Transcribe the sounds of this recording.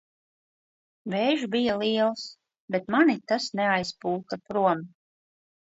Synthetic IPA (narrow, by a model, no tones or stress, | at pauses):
veːʒbijalˠiɛlˠs | bet̪manit̪asneajspuːk̪apɾuɔm